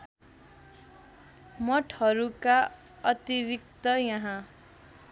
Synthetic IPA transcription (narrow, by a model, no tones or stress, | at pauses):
mʌʈʰhʌɾuka | ʌt̪iɾik̚t̪ʌjʌɦã